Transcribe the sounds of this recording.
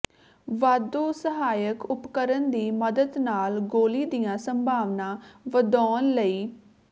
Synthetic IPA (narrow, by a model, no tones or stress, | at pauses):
ʋaːd̪oːsəɦaːjəkʊpkəɾənd̪iːməd̪əd̪naːlɡoːliːd̪ijãːsəmbʱaːʋnãːʋəd̪ɔːnləiː